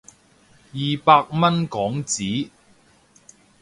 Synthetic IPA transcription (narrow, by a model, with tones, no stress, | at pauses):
jiː˨paː˧k̚mɐ˥nkɔː˨˥ŋt͡siː˨˥